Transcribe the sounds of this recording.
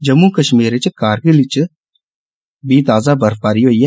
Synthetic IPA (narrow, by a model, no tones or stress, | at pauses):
d͡ʒɐmũkɐʃmiːɾet͡ʃkaːɾɡilit͡ʃ | biːt̪aːzabɐɾpaːɾioije